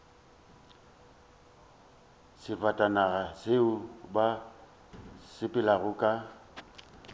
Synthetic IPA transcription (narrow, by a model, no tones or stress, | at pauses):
sɪfatʼanaɣaseʊba | sɪpʼɪlaɣʊkʼa